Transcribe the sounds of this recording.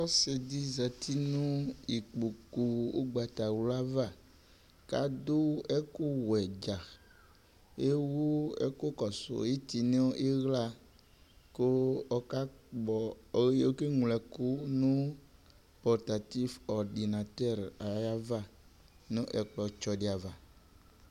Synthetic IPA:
ɔ˦se˨d̪i˦zɛ˨t̪ʰi˦nũ˦i˨k͡pu˨ku˨wo̰˦ɡ͡ba˨t̪a˨wu˦la˦va˦˨ | ka̰˨d̪o˦ɛ˦ku˦wɛ˨d͡ʒa˨ | e˦wo˦ḛ˦ko˦kɔ˨so̰˨je˦t̪i˨nẽ˦ɔ˦ʔe˦ɣla˦˨ | ko˦ɔ˦ka˦ɡ͡bɔ˨˦ɣje˨wo˦ke˦ŋũ˨lɛ˨ko˦nũ˦ | pɔ˨ɾt̪a˨t̪i˦fɔ˨ɾɖi˨nã˨t̪ɛ˦ɾa˨˦ja˦va˦˨ | nũ˦ʔɛ˨k͡plɔ˨t͡ʃɔ˨ɖi˨a˨va˨

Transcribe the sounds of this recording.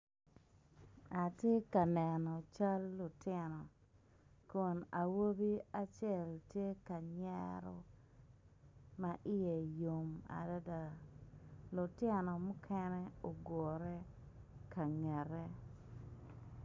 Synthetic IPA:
a˨tje˦ka˨nɛ˨nɔ˨t͡ʃa˦lːʊ˨tɪ˦nɔ˨ | ko˨na˨wo˦bi˦a˦t͡ʃjɛ˦˨ltje˦ka˨ɲɛ̰˦ɾɔ̰˦ | ma˨ʔɪ˦je˨jo˨ma̰˨da˦da˨ | lʊ˨tɪ˦nɔ˨mʊ˦kʰɛ˦nɛ˦o˨ɡɔ˨ɾɛ˦ | ka˨ŋɛ˨ɾɛ˦

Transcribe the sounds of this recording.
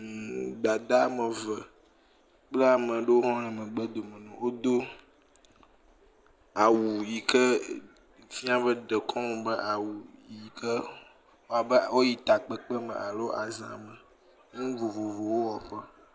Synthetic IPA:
ɡ͡ba˨d̪a˦mə˨və˨ | k͡plə˦a˨mə̃˨ɖe˦wo˦ɦɔ̃˦ñɛ̃˨mə̃˨ɡ͡bə˦d̪o˨mə̃˨nɛ̃˨wo˦d̪o˦ | a˨wu˨ji˨kə˦ | fĩ˦a˦βə˦ɖə˨kʰɔ̃˦mũ˨bə˦ʔa˨wu˨ji˨kʰə˦ | wo˦a˨bə˦˨wo˦ji˨t̪a˨k͡pɛ˨k͡pə˦mə̰̃˨ʔa˨lo˦ʔa˨zã̰˨mə̃˨ | ŋũ˦vo˨vo˨vo˨wo˦wɔ˨ɸə˦

